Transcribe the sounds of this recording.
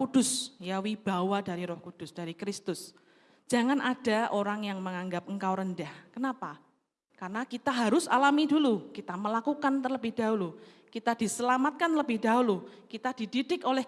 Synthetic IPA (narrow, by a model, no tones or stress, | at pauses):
ud̥ʊsjawib̥a̤wadaɾiɾɔhkud̥ʊsd̥aɾikɾɪst̪ʊs | d͡ʒ̥a̤ŋanʔad̥a̤ʔoɾaŋjaŋməŋaŋɡap̚əŋ̩kawɾəndahkənapa | karənakit̪aɦaɾʊsa̰lamidulukit̪aməlakukant̪ərləbɪhdaulu | kit̪ad̥isəlamat̪̚kanləbɪhdaulukit̪ad̥ididɪkolɛh